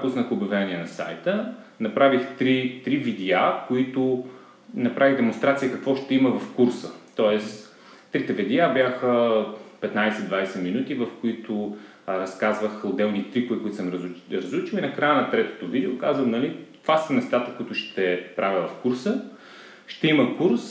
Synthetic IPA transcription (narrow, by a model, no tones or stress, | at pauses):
pusnəxʊbʲjɐvɛniɛnɐsa̰jt̪ə | nɐpɾavixt̪ɾit̪ɾivid̪ɛakoit̪ʊ | nɐpɾʔaviɣd̪ɛmʊnst̪ɾat̪sijəkɐkvɔʃt̪ɛimɐvɐfkuɾsət̪ɔɛs | t̪ːɾit̪ɛvid̪ɛabjaxəpɛt̪najsɛd̪vajsɛminut̪ivɐfkʊit̪ʊ | ɾɐskazvəxʊd̪ːɛlˠnit̪ɾikʊvikʊit̪səmɾɾɐzɾut͡ʃilˠinɐkɾajənɐt̪ɾɛt̪o̥t̪ʊvid̪ɛʊkazvəmnɐlit̪v̥asənɛst̪at̪əkʊit̪ʊʃt̪ɛpɾʔavʲəvɐfkuɾsə | ʃt̪ɛiməkuɾs